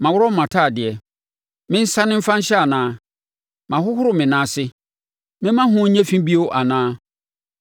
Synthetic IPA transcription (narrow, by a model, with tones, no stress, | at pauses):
mã˨wʊ˦ɾɔ˦m̩˦mã˨tʰa˦˨dɪ˨ɛ˨ | mɪ̃˦n̩˦sa˦nɪ̃˦m̩˦fã˦ɲ̩˦ɕɛ˦a˨nãː˦ | mã˨ɦʊ˦hʊ˦ɾʊ˨mɪ̃˨nãː˨˦sɪ˦ | mɪ̃˦mã˦ɦʊ̃˦ɲ̩˦ɲɛ̃˦fĩ˦bi˦o˦wʔa˨nãː˦